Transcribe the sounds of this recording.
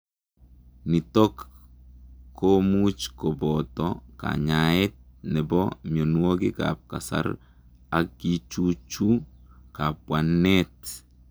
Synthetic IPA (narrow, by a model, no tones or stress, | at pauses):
nitɔk | omut͡ʃkobɔtɔka̰ɲaɛt̚nɛbɔmjonwokɪka̰p̚ka̰sa̰ɾ | akːit͡ʃut͡ʃukapwanːɛt